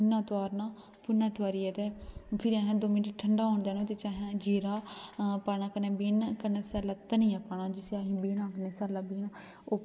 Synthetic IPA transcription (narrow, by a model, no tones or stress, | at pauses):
nːãːt̪aːɾnãː | pʊnːãːt̪ʋaːɾiːɛːt̪ɛpʰɪɾiaːɦãːd̪oːminʈʈʰəɳɖaːɦoːɳd̪eːnot̪et͡ʃaːɦãd͡ʒiːɾaːpaːnaːkənɛ̃ːbiːnkəneːsɛːlaːt̪ənĩːãːpaːnãːd͡ʒɪseaɦĩːbiːnãːkəneːsɛːlaːbiːn | oː